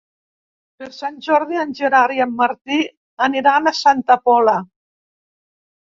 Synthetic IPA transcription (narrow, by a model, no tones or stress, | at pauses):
peɾsanʲʒɔɾðianʲʒeɾaɾiamːaɾt̪i | aniɾanasant̪apɔla